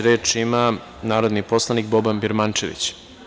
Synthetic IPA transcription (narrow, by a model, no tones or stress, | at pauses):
ɾe̞ːt͡ʂima | naːɾo̞d̪nipo̞slˠanikbobanbiɾmant͡ʂeʋḭt͡ɕ